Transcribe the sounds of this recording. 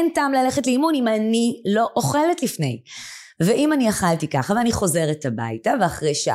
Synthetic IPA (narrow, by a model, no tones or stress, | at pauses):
ntaːmlaleχetleimunimanilo̞ʔoχe̞letlifne̞̰j | veʔimaniaχaltikaχaveaniχo̞ze̞ʁetaba̰jtaveaχʁejʃa